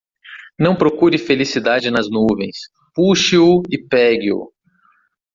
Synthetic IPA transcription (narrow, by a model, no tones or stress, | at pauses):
nɐ̃w̃pɾokuɾɪfelisid̪ad͡ʒɪnɐznuvẽj̃s | puʃɪʊɪpɛɡɪʊ̰